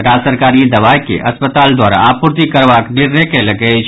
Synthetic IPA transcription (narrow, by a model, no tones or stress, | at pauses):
ɾaːd͡ʒsəɾkaːɾid̪ɐʋaːjkḛʔɐspət̪aːld̪waːɾa̰apʊɾt̪ikəɾʋaːkɖɪɾnekelɐɡə